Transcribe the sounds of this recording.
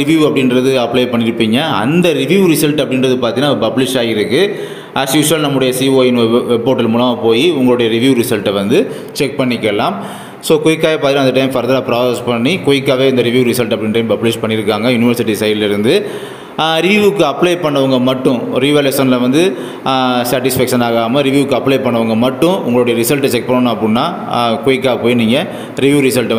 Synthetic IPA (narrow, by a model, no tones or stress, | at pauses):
ɾɪʋjuːɐpːɐɽɪnɾɐðɯɐpːlɐɪpɐɳːɪɾɯpːiːŋɡɐɐnd̪ɐɾɪʋjuːɾɪsɐlʈɐpːɐɽɪnɾɐðɯpaːɾt̪iŋnːaːpɐblɪʂaːjɪɾɯkːɯ | ɐsjuːʂɐːlnɐmːɯɽɐjɐsiːoːɪnʋɛpːoːɾʈːɪlmuːlɐmaːpoːjiʊŋɡɐɭɯɽɐjɐɾɪʋjuːɾɪsɐlʈɛʋɐnd̪ɯ | t͡ʃɛk̚pɐɳːɪkːɛlːaːm | soːkɔɪkːaːʋjepːaːɾt̪ɪɾãɐnd̪ɐʈɐɪmfɐɾðɐlaːpɪɾaːspɐɳːikʊjɪkːaːʋeːɐnd̪ɐɾɪʋjuːɾɪsɐlʈɐpːɐɽɪnɐʈɐɪmpɐpleːspɐɳːɪɾɯkːaːŋɡɐjʊnɪʋɐɾsɪʈːisɐjlɪɾɯnd̪ɯ | ɾɪʋjuʋɯkːɯɐplɐɪpɐɳːɐʋɐŋɡɐmɐʈːʊ̃ɾɪʋeːleːsɐnlɐʋɐnd̪ɯ | saːʈɪsfɛkʂɐnaːɣaːmɐɾɪʋjuːʋɯkːɯɐpːlɐɪpɐɳːɐʋɐŋɡɐmɐʈːʊ̃ʊŋɡɐɭoɽɐjɐɾɪsɐlʈt͡ʃɛk̚pɐɳːɐɳʊ̃ɐpːɐɽɯnːaː | kʊjɪkːaːpoːjiniːŋɡɐ | ɾɪʋjuːɾɪsɐlʈ